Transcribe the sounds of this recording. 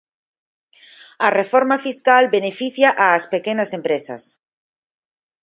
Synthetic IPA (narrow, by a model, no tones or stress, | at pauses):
arefoɾmafiskalbenefiθjaʔaːspekenasẽmpɾesa̰s